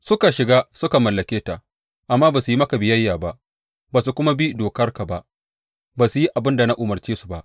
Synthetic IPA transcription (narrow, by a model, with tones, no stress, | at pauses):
sʊ˦ka˨ʃɪ˨ɡaː˦sʊ˦ka˨mɐ˨lːɐ˨kʲeː˦ta˨ | ʔa˨mːaː˦baː˨su˨ji˦mɐ˦ka˨bɪ˨jɐ˦jːaː˨ba˦ʔ | baː˨su˨kʷʊ˦ma˦bi˦doː˨kɐ˦rka˨ba˦ʔ | baː˨su˨ji˦ʔa˨bɪ˦nda˨na˦ʔʊ˨mɐ˨rt͡ʃeː˦su̥˨ba˦ʔ